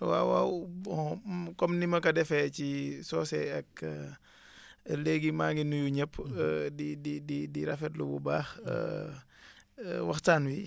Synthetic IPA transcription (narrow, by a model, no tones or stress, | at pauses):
wa̰wawbɔkɔmnimɐkɐdɛfɛcisɔːsɛ̰ɐkː | leːɡimaːŋɡinujuɲɛpʰːdidididiɾɐfɛtlubṵbaːx | wɐxtaːnwi